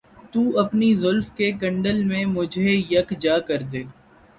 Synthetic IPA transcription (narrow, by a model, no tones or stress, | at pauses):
t̪uːʔɐpnizʊlfkekɐ̃ɳɖəlmẽmʊd͡ʒʱejɐkd͡ʒaːkɐɾd̪eː